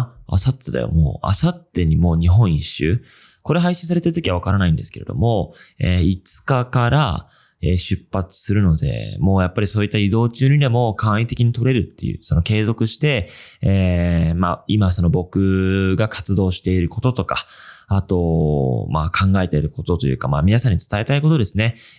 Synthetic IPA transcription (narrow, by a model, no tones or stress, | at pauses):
a̰sat̪ːed̪a̰jo̰mo̰ːa̰sat̪ːe̞ɲ̟imo̞ːɲ̟iɦõ̞ɰ̃iɕːɨ̰ː | ko̞ɾe̞ɦaiɕĩs̬aɾe̞t̪eɾ̟t̪okʲiβaβakaɾanaĩnd̪e̞sɨ̥ke̞ɾe̞̰d̪o̞̰mo̞eːit͡sɨ̥kakaɾa | eːɕɨpːat͡sɨ̥sɨɾɯ̟no̞d̪e̞̰mo̞ːjapːaɾʲisoːit̪ːaid̪o̞ːt͡ɕɨːɲ̟id̪e̞mo̞kãɰ̃it̪e̞kʲiɲ̟it̪o̞ɾe̞ɾɯ̟t̪ːe̞̰jɯ̟̰ːso̞no̞ke̞ːzo̞kɯ̟ɕi̥t̪e̞eːmaimaso̞no̞bo̞kɯ̟ɡakʰḁt͡sɨd̪o̞ːɕi̥t̪e̞iɾɯ̟ko̞t̪o̞t̪o̞kaat̪o̞makʰãŋɡae̞t̪e̞ɾɯ̟ko̞t̪o̞t̪o̞jɯ̟ːkamamʲinasãɲ̟ːit͡sɨ̥t̪ae̞t̪aiko̞t̪o̞d̪e̞sɨne̞